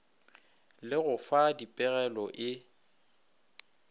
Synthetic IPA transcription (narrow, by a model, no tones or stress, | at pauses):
lɪɣʊfadipʼɪɣɛlɔʔɪ